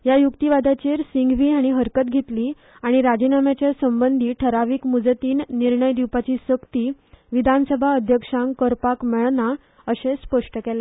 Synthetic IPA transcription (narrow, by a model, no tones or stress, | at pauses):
jajukt̪iʋad̪ʱat͡ɕeɾsiŋɡʋiːaɽ̃iɦəɾkət̪̚ɡʱet̪liː | aɽ̃iɾad͡ʑinamjat͡ɕjasəmbənd̪ʱiːʈʰəɾaʋiːkmud͡zət̪iːnniɾɳəjd̪iwpat͡ɕiːsəkt̪iːʋid̪ʱansəbʱaəd̪ʱjəkʂãŋkəɾpakmeɭna | əɕespəʂʈəkɛle